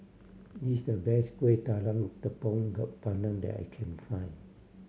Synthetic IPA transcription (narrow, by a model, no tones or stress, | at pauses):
disdəbɛstwetalãnifd̪əpɔ̃ŋɡat̚panə̃ndɛ̰ta̰jkʰɛ̃nfãj̃n